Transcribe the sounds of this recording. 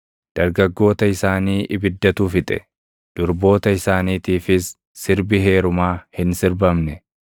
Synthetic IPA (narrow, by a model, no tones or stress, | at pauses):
d̪̥ɐɾɡɐɡːo̞ːt̪ɐɪsaːniːʔɪbɪd̪ːɐt̪uːfɪt̪ʼɛ̥̰ | d̪̥ʊɾbo̞ːt̪ɐɪsaːniːt̪iːfɪsː | ɪɾbɪɦe̞ːɾʊmaːhɪnsɪɾbɐmnɛ